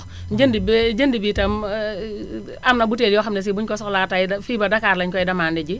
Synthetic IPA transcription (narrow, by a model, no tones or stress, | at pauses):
d͡ʒəndibd͡ʒəndibiːtɐm | amnabuteljɔxamnɛs̬ibuɲkɔsɔklatajfibadakaɾlɐɲkɔjdɐmaːndɛd͡ʒi